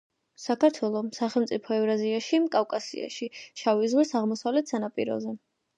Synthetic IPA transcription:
sakʰaɾt̪ʰwɛlˠɔmsaχɛlˠmt̪sʼipʰɔɛvɾaziaʃikʼafkʼasḭa̰ʃiʃavizʁwisaʁmɔsavlɛt̪ʰsanapʼiɾɔ̰zɛ

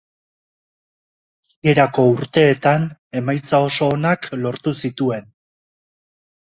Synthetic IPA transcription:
e̞ɾako̞uɾt̪e̞ːt̪ane̞majt͡sao̞so̞ːnaklo̞ɾt̪usit̪ue̞n

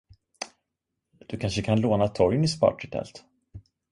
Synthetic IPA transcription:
d̪̥ɵkʰanʂəkʰanloːnat̪ʰɔɾjənɪspɑ̰ːʈɪt̪ʰɛ̰lt̪

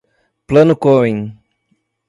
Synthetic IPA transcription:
plɐ̃nʊkoẽj̃

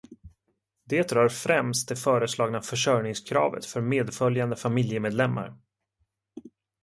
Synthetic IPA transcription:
d̪eːt̪ɾœːɾfɾɛmst̪̚d̪ɛfœːɾəslɑːɡnafœʂœɾnɪŋskʰɾɑ̰ːvə̰t̪fœɾmeːd̪fœljand̪əfamɪljəmeːd̪lɛmːa̰ɾ

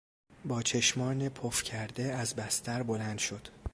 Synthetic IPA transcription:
bɒːt͡ʃʰe̞ʃmɒːnepʰofcʰæɾd̪e̞æzbæst̪ʰæɾbo̞lænd̪̥ʃod̪̥

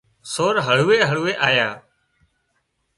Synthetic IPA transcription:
soːɾɦəɭ̤uːeːɦəɭuːeːʔaːjaː

